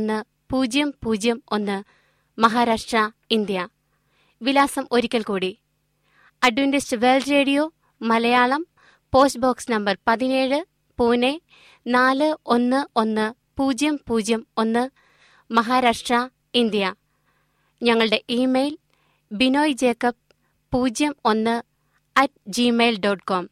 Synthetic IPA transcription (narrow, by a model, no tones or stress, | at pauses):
nːɨ | puːd͡ʑjɐmpuːd͡ʑjɐmo̞nːɨ | mɐɦaːɾaːʂʈrɐind̪jɐ | ʋilaːsɐmo̞ɾikʲːɐlkuːɽi | ɐɖjundistɨʋe̞ːlɖɾe̞ːɽijo̞ | mɐlɐjaːɭɐm | po̞ːstboːksnɐmbɐrpɐðine̞ːɻɨ | puːne | naːlɨo̞nːɨo̞nːɨ | puːd͡ʑjɐmpuːd͡ʑjɐmo̞nːɨ | mɐɦaːɾaːʂʈrɐ | ind̪ijɐ | ɲɐŋːɐɭɨɽe̞ʔiːmejl | bino̞ːjd͡ʑe̞ːkːɐp̚ | pːuːd͡ʑjɐmo̞nːɨ | ɐt̚d͡ʑimeːjlɖoːʈkoːm